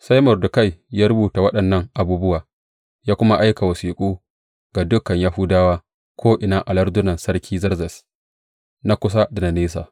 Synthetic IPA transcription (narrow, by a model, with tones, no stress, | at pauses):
sa˦jmɔ˨rdʊ˨ka˦˨jjaː˦ɾʊ˦buː˨ta˨wɐ˦ɗɐ˨nːɐ˦ŋʔa˨buː˦bʊ˦waː˨ | jaː˦kʷʊ˦ma˦ʔa˦jka˨wɐ˨siː˨kʷʼuː˦ | ɡ̥a˨dʊ˦kɐ˨ɲjaː˦hu˦daː˦waː˦ | kʰʷoː˦ʔɪ˨naː˦ʔa˨lɐ˦ɾdʊ˦nɐ˨nsɐ˦rkʲʰiː˦zɐ˦rzɐ˨s | na˦kʷʊ˦s̬a˦da˨na˨neː˦s̬a̰˨